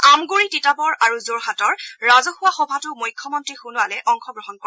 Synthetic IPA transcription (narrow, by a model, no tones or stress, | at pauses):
amɡuɹititabɔɹaɹuzoɹxatɔɹɹazɔxʊwaxɔbʱatʊmujkʰːɔmɔntɹixunʊalɛʔɔŋxɔɡɹɔɦɔnkɔ